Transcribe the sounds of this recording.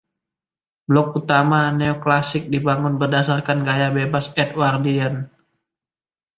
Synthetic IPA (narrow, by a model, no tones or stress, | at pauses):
blɔk̚ut̪amaneoklasɪk̚dibaŋʊnbərdasarkanɡajabebasɛt̪̚wardian